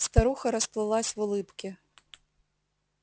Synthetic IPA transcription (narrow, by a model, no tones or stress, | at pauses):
st̪aɾuxɐɾɐsplˠɪlˠasʲʋʊlˠɪpkʲɪ